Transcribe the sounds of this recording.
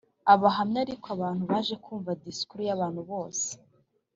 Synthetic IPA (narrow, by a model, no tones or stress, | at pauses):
aβaɦamɲaɾikoaβaːnhuβaːʒe̞kʰuːɱvadiskuɾujaβaːn̥huβo̞ːse̥